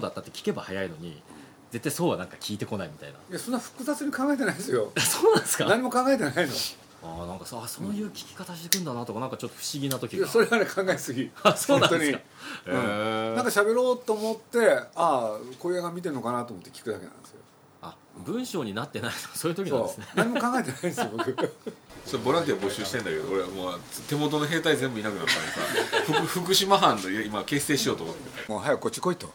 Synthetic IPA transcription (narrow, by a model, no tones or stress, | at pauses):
od̪at̪ːat̪ːekʲi̥ke̞bahajaino̞ɲ̟i | d͡ze̞t̪ːaiso̞ːβanãŋkakʲʰiːt̪e̞ko̞naimʲit̪a̰ina̰ijasõnːaɸɯ̟̥kɯ̟zat͡sɨɲ̟ikãŋɡaet̪e̞naisɨjoasoːnãnsɨ̥kanaɲ̟imo̞kãŋɡaet̪e̞naino̞̰ | aːnãŋkasaso̞nojɯ̟ːkʲi̥kʲi̥kat̪aɕi̥t̪e̞kɯ̟̃nd̪anat̪okanãŋkat͡ɕo̞t̪ːoɸɯ̟̥ɕiɡʲinat̪o̞kʲiɡaaso̞ɾeanekʰãŋɡaesɨɡʲiasonãnoɲika | ɯ̃aŋkaɕabe̞ɾo̞ːt̪ːoːmot̪ːe̞ako̞ijaɡamʲit̪̬e̞ɾɯno̞kanat̪oːmo̞t̪ːekʲi̥kɯ̟d̪ake̞nã̰nd̪esɨjo | a | bɯ̟̃ɰ̃ɕo̞ːɲ̟inat̪ːe̞nait̪o̥kso̞ːjiɯ̟t̪okʲiɲõnːdesɨnenaɲ̟imokãŋɡaet̪enaĩnd̪esɨjobokɯsoebo̞ɾãnt̪iaβabo̞ɕɨːɕi̥t̪ẽ̞nd̪ake̞d̪oːɾemoːt̪e̞mo̞t̪̬o̞noɦe̞ːt̪aizẽ̞mbɯinakɯ̟nat̪ːã̰eka̰ɸɯkɯɸɯ̟k̬ɯ̟ɕimaɦãnːojimake̞ːse̞ːɕijo̞ːt̪omot̪ːemoɦajakkːot͡ɕːi̥koit̪o̰